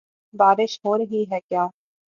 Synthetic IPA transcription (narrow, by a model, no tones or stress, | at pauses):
baːɾɪʃɦoːɾɐɦiɦɛkjaː